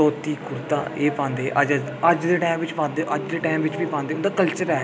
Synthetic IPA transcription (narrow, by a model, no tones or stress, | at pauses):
ɔːt̪iːkʊɾt̪a̰ːeːpãːnd̪eːʔəd͡ʒ | əd͡ʒd̪eːʈaːmʋɪt͡ʃpãːnd̪eːʔəd͡ʒd̪eːʈaːmʋɪt͡ʃʋiːpãːnd̪eːʊnd̪aːkəlt͡ʃəɾɛː